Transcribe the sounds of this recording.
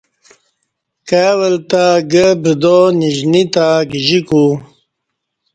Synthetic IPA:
kaːwəlt̪aɡəbəd̪oniʑnit̪aɡiʑiku

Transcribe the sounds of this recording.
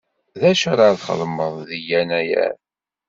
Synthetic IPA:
ðæʃaɾˤaðχə̰lməðˤðijænæjæ̰ɾ

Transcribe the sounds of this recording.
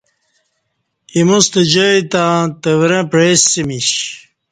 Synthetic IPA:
imust̪ɐd͡ʑəjt̪ãt̪ɐwɾɐ̃pɾesːimiɕ

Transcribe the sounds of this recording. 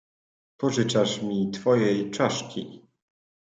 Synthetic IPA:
pɔʐɘt͡ʂaʂmʲit̪fɔjɛjt͡ʂaʂkʲʰḭ

